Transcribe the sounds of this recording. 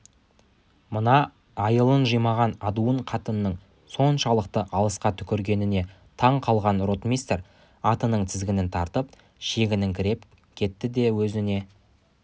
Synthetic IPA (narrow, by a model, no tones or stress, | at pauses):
mənɑ | ɑjəlˠənʒəjmɑʁɑnɑd̪uəɴqʰɑt̪ənəːəɴ | so̞nʃɑlˠəqt̪əʔɑlˠəsqɑt̪ʰʏ̥kʲɪɾɡʲe̞nɪne̞ | t̪ʰɑɴqʰɑlˠʁɑnro̞t̪mʲist̪ɾ | ɑt̪ənəɴt̪ʰɪzɡʲɪnɪnt̪ʰɑɾt̪əp̚ | ʃe̞ɡʲɪnɪŋkʲʰɪɾe̞p | kʲʰe̞t̪ːɪd̪e̞wɵzɪne̞